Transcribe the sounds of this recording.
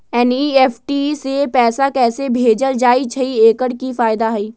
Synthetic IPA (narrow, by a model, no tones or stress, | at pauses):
ɛnieːfʰʈisepɛːsakɛːsebʱeːd͡ʒəld͡ʒaːit͡ʃʰɐieːkəɽkifaːɪd̪aɦɐiː